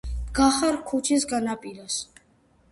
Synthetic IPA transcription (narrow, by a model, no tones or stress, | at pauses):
ɡaχaɾkʰut͡ʃʰisɡanapʼiɾɔs